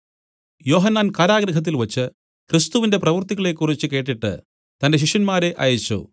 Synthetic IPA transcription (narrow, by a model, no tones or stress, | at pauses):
jo̞ːɦɐnːaːnkaːɾaːɡɾɐɦɐt̪̬ːilʋɐt͡ɕːɨ | krist̪uʋinde̞prɐʋɐrt̪iɣɐɭe̞kːurit͡ɕːɨke̞ːʈːiʈːɨ̰ | t̪ɐnde̞ɕ̬iʂjɐnmaːɾe̞ʔɐ̰ːjɐt͡ɕːṵ